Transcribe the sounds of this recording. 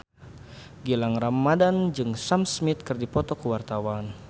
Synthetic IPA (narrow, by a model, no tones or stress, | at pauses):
ɡilaŋramːadand͡ʒɨŋsamsmit̪̚kɨrdipɔt̪ɔkuwart̪awan